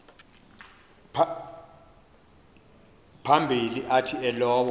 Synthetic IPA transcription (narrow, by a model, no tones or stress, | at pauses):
pʰ | pʰambʱiliʔatʰiɛlɔːwɔ